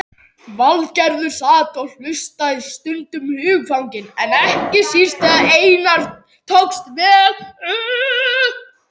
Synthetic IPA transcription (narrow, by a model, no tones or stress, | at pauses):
valcaɾðʏɾ̥saːt̪ɔl̥ʏst̪aðst̪ʏnt̪ʏmhʏːɣfawɲcɪnɛnɛhcɪsir̥st̪ɛðaeːjnaɾ̥ | t̪ʰowkst̪vɛː